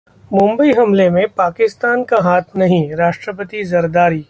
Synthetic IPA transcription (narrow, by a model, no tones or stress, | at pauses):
mʊ̃mbəiɦɐmlemẽpaːkɪst̪aːnkaɦaːt̪ʰnɐɦĩɾaːʃʈɾəp̬ət̪izɐɾd̪aːɾiː